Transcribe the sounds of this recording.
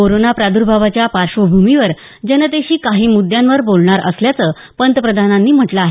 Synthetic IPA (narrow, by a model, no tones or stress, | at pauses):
koɾonapɾad̪uɾbʱaʋat͡ɕjapaɾɕʋəbʱumiʋəɾ | d͡ʑənəd̪eɕiːkaɦiːmud̪jãnʋəɾbolɳaɾə̰sljat͡səː | pənt̪əpɾəd̪ʱananːiːm̤əʈləaːɦe